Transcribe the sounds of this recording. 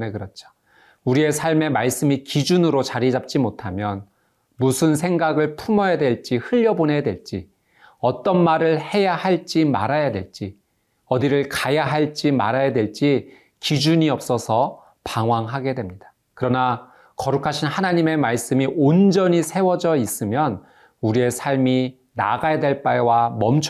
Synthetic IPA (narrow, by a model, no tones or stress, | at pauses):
nekɯɾʌt͡ɕʰo̥ | uɾie̞sʰaɭme̞maɭs͈ɯmikid͡ʑunɯɾot͡ɕaɾid͡ʑap̚t͡ɕ͈imotʰamjʌn | musʰɯns̬ʰe̞ŋɡaɡɯɭpʰumʌjadwe̞ɭt͡ɕ͈ihɯʎːʌbonɦe̞jadwe̞ɭt͡ɕ͈i | ʌt͈ʌnmaɾɯɭhe̞jahaɭt͡ɕ͈ima̰ɾajadwe̞̰ɭt͡ɕ͈i | ʌdiɾɯɭkajaɦaɭt͡ɕ͈ima̰ɾajadwe̞ɭt͡ɕ͈i | kid͡ʑuɲiʌp̚s͈ʌsʰʌ | paŋwaŋɦaɡe̞dwe̞mɲid̥ḁ | kɯɾʌna | kʌɾukʰaɕʰinhanaɲime̞maɭs͈ɯmiʔond͡ʑʌɲisʰe̞wʌd͡ʑʌis͈ɯmjʌn | uɾie̞sʰaɭmi | na̰ɡajadwe̞ɭp͈ajwamʌmt͡ɕʰ